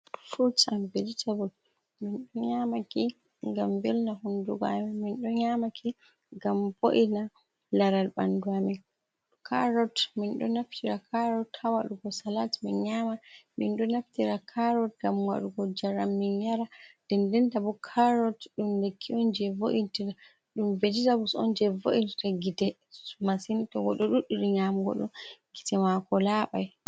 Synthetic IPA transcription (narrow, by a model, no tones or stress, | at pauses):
fuɾtambeditʰabul | minɗɔɲamaki | ŋɡamvɛlnahunduɡa̰mɛminɗɔɲamakʰi | ŋɡamboʔina | laɾalɓa̰nduamɛ | kʰaɾɔtminɗɔnaftiɾakʰaɾɔthawaɗuɡɔsalatminɲamaminɗɔnaftiɾakʰaɾɔt̚ɡamwa̰ɗuɡɔd͡ʒaɾamːinjaɾad̥ɛndɛntabɔkʰaɾɔtɗumlekʰːiɔnd͡ʒɛvoʔintiɾa | ɗumved͡ʒitabusɔ̰nd͡ʒɛvoʔintiɾaɡitɛ | masinitɔɡɔɗɔɗuɗuɗiɲamɡɔ̰ɗɔ̰ɡitɛmakɔlaɓa̰j